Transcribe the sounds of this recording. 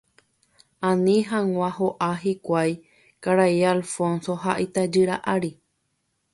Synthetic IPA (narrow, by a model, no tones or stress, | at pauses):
ãnĩɦãŋʷãɦoʔaɦikʷaj | kaɾaialfõnsoɦaʔit̪ad͡ʒɨɾaʔaɾi